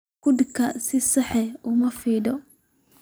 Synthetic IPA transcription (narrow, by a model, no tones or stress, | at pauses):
kʊd̪kɐsisɐħɛʊmɐfid̪ɔ